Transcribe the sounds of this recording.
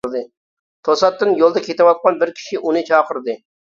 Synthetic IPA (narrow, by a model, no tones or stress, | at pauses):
ɾd̪ɨ | t̪ʰosɑt̪ːɨnjolˠd̪ɑkʲʰet̪ɪwɑt̪̚qɑnbɪɾkʲʰi̥ʃiʔunɨt͡ʃʰɑːqʰəɾd̪ɨ